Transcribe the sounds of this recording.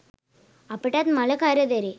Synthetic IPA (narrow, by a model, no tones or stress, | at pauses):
ɐpːɐʈːaːt̪mɐlɐkaːɾɐd̪ɐɾi